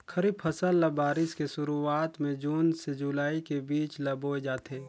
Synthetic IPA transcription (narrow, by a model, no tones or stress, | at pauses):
kʰəɾib̚pʰɐsəlːɐbaːɾɪskeʃʊɾuaːt̪mẽd͡ʒuːnsed͡ʒulaːikebiːt͡ʃlɐboːed͡ʒaːt̪ʰeː